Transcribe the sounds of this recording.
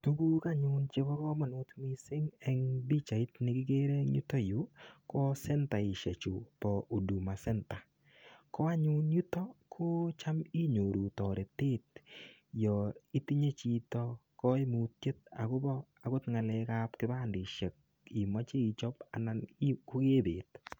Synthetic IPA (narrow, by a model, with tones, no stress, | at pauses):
tu˦ku˦ka˦ɲʊ˨nt͡ʃe˦bɔ˦kɔ˦mɔ˨nʊ˦tmi˦sɪ˦ŋɛ˨ŋbi˦t͡ʃa˨i˦tnɪ˦kɪ˦ɡe˦ɾe˦ɲu˦tɔ˦ju˨˦kɔ˦sɛ˦nta˨ɪ˨ʃe˨t͡ʃu˨pɔ˨ʔu˨du˨ma˨sɛ˦nta˨ | kɔ˦a˦ɲu˦nɲu˦tɔ˦kʰo˦t͡ʃa˦mi˦ɲo˨ɾu˨tɔ˨ɾe˨te˦t̚ | jɔ˨i˦ti˦ɲe˦t͡ʃi˨tɔ˦kɔ˦ɪ˦mu˨t̚je˦t̚a̰˨kʊ˦bɔ˦ | a˦kʊ˦tŋa˨lɛ˨ka˦pkɪ˦ba˦ndɪ˨ʃe˨k̚ | ɪ˨mɔ˦t͡ʃe˦i˨t͡ʃɔ˦pa˨na˦nkʊ˦ke˦beː˨t̚